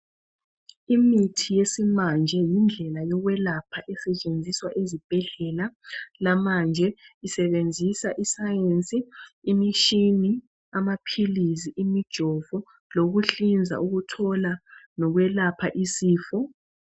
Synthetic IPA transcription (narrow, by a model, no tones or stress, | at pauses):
imitʰijesimand͡ʒʱɛjind͡ɮʱɛlajɔɣwɛlapʰaʔɛsɛt͡ʃʼend͡zʱiswaʔezib̥ʱɛɮɛlalamand͡ʒʱɛisɛβend͡zʱisaʔisajent͡sʼiːmiʃini | amapʰiliziʔimid̥ʒ̥ʱɔvɔ | loɣuɬind͡zʱa̰ʔuɣutʰɔlanɔɣwɛlapʰaʔisiːfɔ